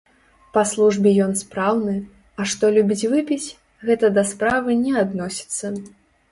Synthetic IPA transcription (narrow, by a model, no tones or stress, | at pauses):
pɐslˠuʐbʲɛjɔnspɾawnɨ | ɐʂt̪ɔlʲubʲit͡sʲvɨpʲit͡sʲ | ɣɛt̪ɐd̪ɐspɾavɨnʲɛad̪nɔsʲi̥t̪sːɐ